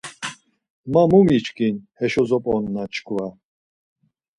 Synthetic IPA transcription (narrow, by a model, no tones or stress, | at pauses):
mamumit͡ʃkʰʼinhɛʃɔzɔpʼɔnːat͡ʃʰkʰʼva